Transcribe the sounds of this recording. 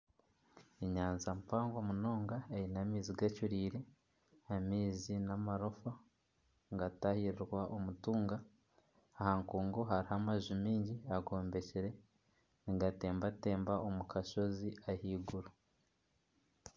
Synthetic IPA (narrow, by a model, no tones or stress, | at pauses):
eɲaːnzampaːŋɡwamuno̞ːŋɡaeinamiːziɡacuɾiːɾe | hamiːzinamaɾofa | ŋɡatahiɾiɾɡwaʔomutuːŋɡaː | haŋkuːŋɡoɦaɾihamaʒimiːɲɟiaɡo̞ːmbe̞ceɾe̞ | niɡate̞ːmbate̞ːmbaomukʰaʃo̞ziahiɡuɾa